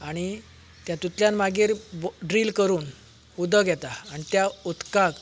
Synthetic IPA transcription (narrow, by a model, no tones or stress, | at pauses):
aɽ̃i | t̪jat̪ut̪ljãnmaɡiɾbɖɾilkəɾuːn | ud̪əɡʱjɛt̪aːɽ̃it̪jaut̪kak